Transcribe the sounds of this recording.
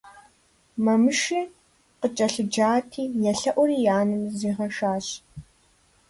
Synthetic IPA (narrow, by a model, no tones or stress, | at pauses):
mɐmɨʃiː | qət͡ʃʼɐɬɨd͡ʒaːtʰiːjɛɬɐʔʷɔɾiːjaːnɨmziːʁɐʃaːɕ